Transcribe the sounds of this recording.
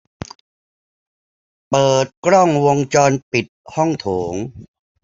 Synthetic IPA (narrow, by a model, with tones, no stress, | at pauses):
pɤː˨˩t̪̚kɾɔ˥˩ŋwo˧ŋt͡ɕɔː˧npi˨˩t̪̚hɔ˥˩ŋt̪ʰoː˩˦ŋ